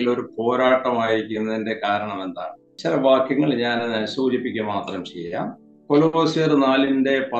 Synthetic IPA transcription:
ilo̞ɾupo̞ːɾaːʈːɐmaːjiɾikʲːunːɐðinde̞kaːɾɐɳɐme̞nd̪a̰ːɳɨ | t͡ɕilɐʋaːkːiŋːɐɭɲaːnɐnsuːd͡ʑipːikʲːumaːt̪rɐmt͡ɕḛjɐa̰ːm | ko̞loːsijorɨnaːlinde̞pɐ

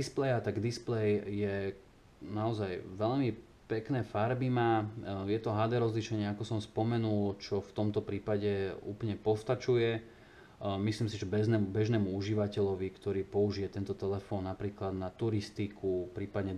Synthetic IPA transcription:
isplɛjat̪aɡd̪isplɛjjɛ | naɔzajʋɛʎmi | pɛknɛːfaɾbimajɛt̪ɔɦad̪ɛɾɔzliʃɛɲɪɛakɔsɔmspɔmɛnult͡ʃɔft̪ɔmt̪ɔpɾiːpaɟɛṵːplɲɛpɔst̪at͡ʃujɛ | misliːmsiʒɛbɛʒnɛmubɛʒnɛːmuuʒiʋacɛʎɔʋikt̪ɔɾiːpɔuʒijɛt̪ɛnt̪ɔt̪ɛlɛfɔːnːapɾiːklad̪nat̪uɾist̪ikʰupɾiːpad̪ɲɛ

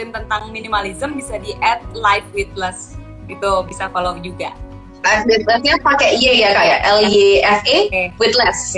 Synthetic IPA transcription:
tɪmt̪ənt̪aŋminimalizəmbisadiʔɛt̪̚lajfwit̪̚lɛs | it̪ubisakalod͡ʒuɡa̰ | lajfwit̪ləsɲapakɛʔijajakaja̰ʔʔɛleɛfewit̪̚lɛs

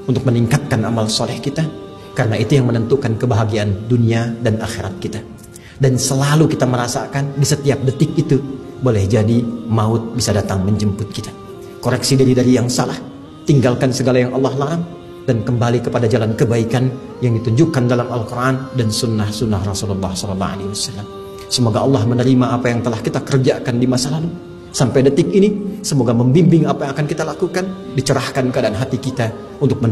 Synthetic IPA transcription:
unt̪ʊk̚məniŋkat̪̚kana̰malsɔlɛhkit̪a | kaɾənait̪ujaŋmənənt̪ukankəbaɦaɡianduniadanaxeɾat̪̚kit̪a | dansəlalukit̪aməɾasa̰kandisət̪iap̚dət̪ɪkit̪u | bolɛhd͡ʒadimaʊt̪̚bisadat̪aŋməɲd͡ʒəmpʊt̪̚kit̪ḁ | koɾɛksidaɾidaɾijaŋsalah | t̪iŋɡalkansəɡalajaŋʔɑlːɑhlaɾam | d̥ankəmbalikəpadad͡ʒalankəbaikan | jaŋdit̪uɲd͡ʒʊkːandalamalkurʔandansunːahsunːahrɔsululːɑhsɔlɔlːɑ̰a̰lewasalːam | səmoɡaʔɑlːɑhmənəɾimaːpajaŋt̪əlahkit̪akərd͡ʒakandimasalalu | sampajdət̪ɪkinisəmoɡaməmbimbɪŋapaːkankit̪alakukan | dit͡ʃəɾahkankəadaanɦat̪ikit̪a | unt̪ʊk̚mə

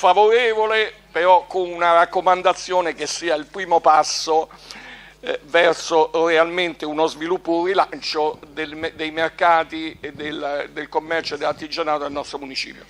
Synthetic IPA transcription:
favoɾeːvolepeɾɔkːonunaɾakːomand̪at̪sːjoːnekesːiːailpɾiːmopasːo | vɛrsorealment̪eunozvilupːʊrilant͡ʃod̪elmd̪ejmerkaːt̪id̪eld̪elkomːɛrt͡ʃoed̪elart̪id͡ʒanaːt̪oelnɔst̪ɾomunit͡ʃḭːpjo̰

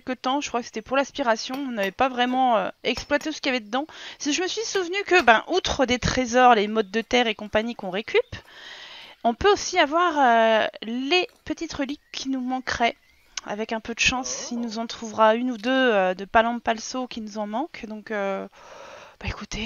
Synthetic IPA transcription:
ɛlkət̪ɑ̃ʒə̥kχwakə̥se̥t̪ɛpuʁlɛ̃spiʁasjɔ̃ɔ̃navɛpavʁɛmɑ̃øɛksplwat̪esə̥kʲiavɛd̪əd̪ɑ̃sʒəməsɥisuvnykəbɛ̃ʔut̪χəd̪et̪χezɔʁlemɔd̪̚d̪ət̪ɛʁekɔ̃paɲikɔ̃ʁekʰʲyp | ɔ̃pøosiavwaʁølepət̪it̪ʁəlikʲʰːinumɑ̃kχɛ | a̰vɛkɛ̃pød̪əʃɑ̃silnuzɑ̃t̪χuvʁaynud̪øød̪əpalɑ̃palsokʲinuzɑ̃mɑ̃kd̪ɔ̃kø | b̥aekut̪e

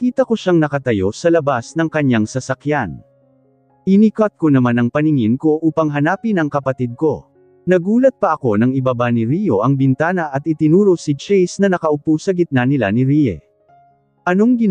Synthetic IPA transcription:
kiːt̪ɐko̞ʃaŋnɐkɐt̪ɐjo̞sɐlɐbasnɐŋkɐɲaŋsɐsɐkjan | ʔɪnikat̪̚ko̞nɐmanɐŋpɐnɪŋɪnko̞ʔuːpɐŋɦɐnaːpɪnɐŋkɐpɐt̪id̪̚ko̞ | nɐɡuːlɐt̪̚pɐʔɐko̞nɐŋɪbabanɪɾijo̞ʔɐŋbɪnt̪aːnɐʔɐt̪ʔɪt̪ɪnuːɾosit͡ʃɛjsnɐnɐkɐʔʊpusɐɡɪt̪̚nanɪla̰nɪɾijɛ̰ | ʔɐno̞ŋɡɪ

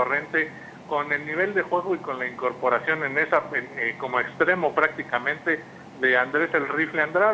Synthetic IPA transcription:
ore̞nt̪e̞ | ko̞ne̞lniβ̞e̞ld̪e̞xwe̞ɣo̞iko̞nlaiŋko̞ɾpo̞ɾasjo̞ne̞ne̞saeneko̞mo̞e̞kst̪ɾe̞mo̞pɾak̚t̪ikamẽ̞nt̪e̞ | ðe̞and̪ɾe̞selrifleand̪ɾa

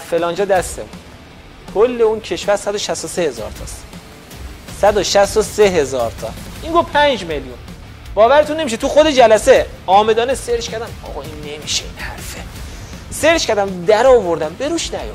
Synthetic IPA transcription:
fe̞lɒːnd͡ʒɒːd̪æst̪ḛmun | kʰolːe̞uːncʰe̞ʃvæɾsæd̪oʃæst̪osehe̞zɒ̰ːɾt̪ʰɒ̰ːst̪ | sæd̪oʃæst̪oseɦe̞zɒːɾt̪ʰɒ̰ːʔiŋɡovpʰænd͡ʒme̞ljun | b̥ɒːvæɾet̪unːemiʃet̪ʰuxo̞d̪e̞d͡ʒælæse | ɒːme̞d̪ɒːneseɾʃkʰæɾd̪æmɒ̰ːɣɒinːe̞miʃḛinhæ̰ɾfe | seɾt͡ʃkʰʲæɾd̪æmd̪æɾɒːvo̞ɾd̪æmbe̞ɾuːʃnæjo

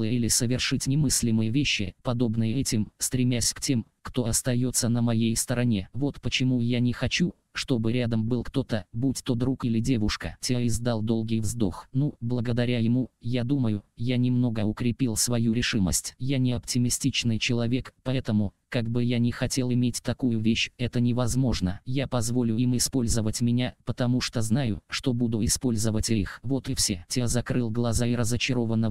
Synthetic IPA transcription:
ɨjəilʲɪsəvʲɪrʂɨtʲnʲɪmɨsʲlʲɪmɨjəvʲeɕːɪ̰pɐd̪o̞bnɨjəɛtʲɪmst̪ɾʲɪmʲasʲktʲe̞m | kt̪o̞ɐst̪ɐjo̞t̪sːənəmɐjejst̪əɾɐnʲe̞vo̞t̪pət͡ɕɪmujanʲɪxɐt͡ɕu | ʂt̪o̞bɨɾʲad̪əmbɨlˠkt̪o̞t̪əbutʲt̪od̪ɾukilʲɪdʲe̞vʊʂkə̰tʲeɪzd̪alˠd̪o̞lˠɡʲɪjvzd̪o̞̰xnublˠəɡəd̪ɐɾʲajɪmujad̪uməjʊjanʲɪmno̞ɡəʊkɾʲɪpʲilˠsvɐjuɾʲɪʂɨmə̰sʲtʲjanʲɪɐptʲɪmʲɪsʲtʲit͡ɕnɨjt͡ɕɪlˠɐvʲe̞kpɐɛt̪əmʊkaɡ̚bɨjanʲɪxɐtʲe̞lˠɪmʲetʲt̪ɐkujʊvʲeɕɛt̪ənʲɪvɐzmo̞ʐnə̰japɐzvo̞lʲʊimɪspo̞lʲzəvətʲmʲɪnʲapət̪ɐmuʂt̪o̞znajʊʂt̪o̞bud̪ʊɪspo̞lʲzəvətʲɪḭxvo̞t̪ɪfsʲetʲezɐkɾɨlˠɡlˠɐzaɪɾəzət͡ɕɪɾo̞vənːə

